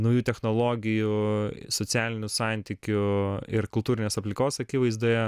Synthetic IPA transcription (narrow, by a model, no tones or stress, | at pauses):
nɐʊjuːt̪ʲɛxnoːlˠoːɡʲɪjusot̪sʲæːlʲɪnʲʊsɑˑnʲt̪ʲɪkʲʊɪɾkʊlˠt̪uːɾʲɪnʲeːsɐpʲlʲɪ̃ŋkoːsɐkʲiːʋɐɪzd̪oːjɛ